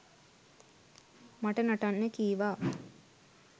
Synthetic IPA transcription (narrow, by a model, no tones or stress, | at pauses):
maʈənaʈanːəkiːʋaː